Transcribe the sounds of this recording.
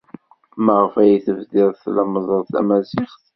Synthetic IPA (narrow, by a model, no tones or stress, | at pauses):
məʁəfæjiθəvðiðˤθləməzˤəðˤθæ̰mæzɪχθ